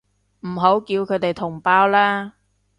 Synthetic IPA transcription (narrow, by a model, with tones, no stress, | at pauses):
m̩˨˩ɦo˨˥wkiː˧wkʰɵ˨˧ɥt̪e˨jt̪ʰʊ˨˩ŋpaː˧˥wlaː˥